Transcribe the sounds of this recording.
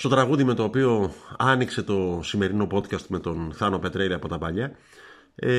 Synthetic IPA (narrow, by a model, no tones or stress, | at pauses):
st̪ot̪ɾɐɣuðime̞t̪o̞ːpio̞ɐnikse̞t̪o̞sime̞ɾino̞po̞t̪cɐst̪me̞t̪o̞nθɐno̞pe̞t̪ɾeliɐpo̞t̪ɐpɐʎɐ